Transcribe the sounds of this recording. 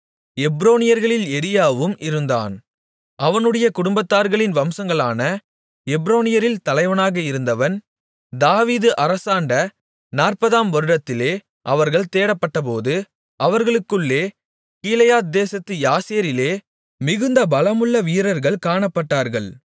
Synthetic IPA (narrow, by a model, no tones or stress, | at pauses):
ɛbɾoːnɪjɐɾɣɐɭɪlɛɾɪjaːʋɯmʔɪɾɯnd̪a̰ːn | ʔɐʋɐnɯɽɐjɐkʊɽʊmbɐt̪ːaːɾɣɐɭɪnʋɐmsɐŋɡɐɭaːnɐ | ɛbɾoːnɪjɐɾɪlt̪ɐlɐɪʋɐnaːɣɐɪɾɯnd̪ɐʋɐn | d̪aːʋiːðɯʔɐɾɐsaːɳɖɐ | naːrpɐðaːmʋɐɾɯɽɐt̪ːɪleː | ʔɐʋɐɾɣɐɭt̪eːɽɐpːɐʈːɐp̬oːðɯ | ʔɐʋɐɾɣɐɭɯkːɯɭːeː | kiːlɐjaːt̪̚d̪eːsɐt̪ːɯjaːseːɾɪleː | mɪɣɯnd̪ɐbɐlɐmɯɭːɐʋiːɾɐɾɣɐɭkaːɳɐpːɐʈːaːɾɣɐɭ